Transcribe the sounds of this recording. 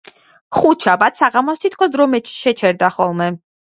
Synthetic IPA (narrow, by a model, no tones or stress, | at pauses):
χuʃʰabat̪saʁamɔst̪ʰit̪̚kʰɔsd̪ɾɔmɛt͡ʃʃɛt͡ʃʰɛɾd̪aχɔlˠmɛ